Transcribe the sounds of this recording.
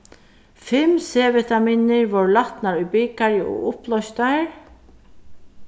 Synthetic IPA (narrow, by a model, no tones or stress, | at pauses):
fɪmseːʋɛt̪amiːnɪɹʋɔɹlat̪naɹʊjbɪkaɹəʔɔ̰ʊplɔjst̪aɹ